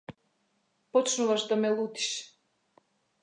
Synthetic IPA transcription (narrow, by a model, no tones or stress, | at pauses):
pɔt͡ʃnuvaʃd̪amɛlˠut̪i̥ʃ